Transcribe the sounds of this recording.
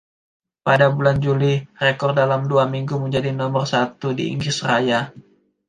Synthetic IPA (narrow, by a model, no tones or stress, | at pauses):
padabuland͡ʒulirekɔr̚dalamduamiŋɡuməɲd͡ʒadinɔmɔrsat̪udḭḭŋɡɪsraja